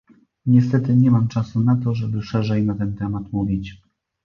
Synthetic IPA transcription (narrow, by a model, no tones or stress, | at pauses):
ɲɛs̬t̪ɛt̪ɘɲɛmamt͡ʂasunat̪̬ɔʐɛbɘʂɛʐɛjnat̪ɛnt̪ɛmat̪muvʲit͡ɕ